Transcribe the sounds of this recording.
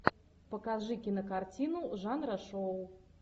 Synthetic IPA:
pɐkaʐɨkʲɪnɐkart͡sʲinuʐanɾɐʂɔw

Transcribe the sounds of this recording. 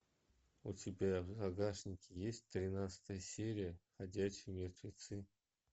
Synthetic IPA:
ʊtʲɪbʲab̪aɡaʂnʲɪkʲɪjesʲt̚ʲt̪ɾʲɪnat̪sə̥t̪əjəsʲeɾʲɪjəxɐdʲæɕːɪjmʲɪrt̪vʲɪt̪sɨ

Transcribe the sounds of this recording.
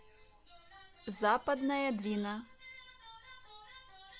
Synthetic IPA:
zapɐd̪nɐjɐd̪vʲinɐ

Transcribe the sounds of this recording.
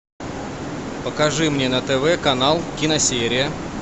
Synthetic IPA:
pəkɐʐɨmnʲenət̪ɛvɛkɐnalˠkʲɪnɐsʲeɾʲɪjə

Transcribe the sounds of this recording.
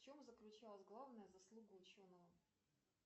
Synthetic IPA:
ft͡ɕo̞mzəklʲʉt͡ɕalˠəsʲɡlˠavnəjəzɐslˠuɡəʊt͡ɕo̞nəvə

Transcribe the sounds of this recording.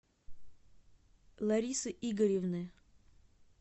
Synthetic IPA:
lˠɐɾʲisɨʔiɡəɾʲɪvnɨ

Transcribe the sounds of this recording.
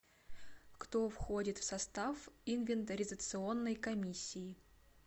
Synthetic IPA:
kt̪ofxo̞dʲɪt̪fsɐst̪afɪnvʲɪnt̪əɾʲɪzət̪sɨo̞nːəjkɐmʲisʲːɪɪ

